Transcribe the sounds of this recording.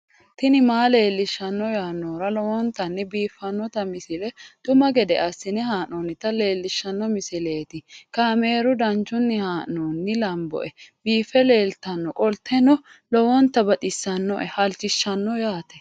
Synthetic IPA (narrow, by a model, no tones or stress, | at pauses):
t̪ɪnɪmaːle̞ːlːɪʃːɐnːɔjaːnːoːɾɐlɔwɔnt̪ːɐnːɪbiːfːɐnːɔt̪ɐmɪsɪlɛt̪ʼʊmɐɡɛd̪ɛʔɐsːɪnɛɦaːʔɔnɪt̪ɐle̞ːlːɪʃːɐnːɔmɪsɪle̞ːt̪ɪkɐme̞ːɾʊd̪ɐnt͡ʃʊnːɪhaːʔnoːnːɪlɐmbɔ̰ʔɛb̥iːfːɛle̞ːlt̪ːɐnːɔkʼɔlt̪ʰɛnɔ | lɔwɔnt̪ːɐbɐt̪ʼɪsːɐnːɔ̰ʔɛhɐlt͡ʃːɪʃːɐnːɔjaːt̪ɛ̥